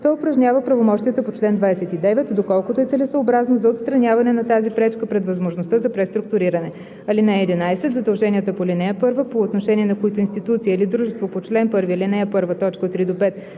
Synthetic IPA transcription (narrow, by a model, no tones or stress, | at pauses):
t̪ɔʊpɾɐʒnʲavəpɾɐvomɔʃt̪ʲijət̪əpot͡ʃlɛnd̪vajsɛt̪id̪ɛvɛt̪d̪okɔlˠkʊt̪oɛt̪sɛlɛsəobɾaznozɐot̪st̪ɾɐnʲavɐnɛnɐt̪azipɾɛt͡ʃkəpɾɛd̪vɐzmoʒnost̪əzɐpɾɛst̪ɾʊk̚t̪ʊɾiɾənɛ | ɐlinɛɛd̪inajsɛt̪zɐd̪ɐlˠʒɛnʲiət̪əpolinɛəpɤɾvəpoːt̪noʃɛnʲiɛnɐkoit̪ʊinst̪it̪ut̪sijəilid̪ɾuʒɛst̪vopot͡ʃlɛnpɤɾvilinɛɛpɤɾvət̪ɔt͡ʃkət̪ːɾid̪opɛt̪